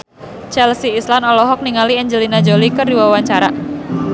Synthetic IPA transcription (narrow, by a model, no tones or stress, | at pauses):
t͡ʃɛlsiːslanɔlɔɦɔk̚niŋaliɛɲd͡ʒəlinad͡ʒolikəriwawaɲt͡ʃaɾa